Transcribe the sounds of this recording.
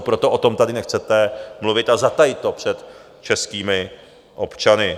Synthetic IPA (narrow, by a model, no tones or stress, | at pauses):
pɾot̪o̞ʔot̪o̞mt̪adɪnɛxt͡sɛt̪ɛmluvɪt̪azat̪ajɪt̪ːopr̝̥ɛt̪ | t͡ʃɛskiːmɪ | ʔo̞pt͡ʃanɪ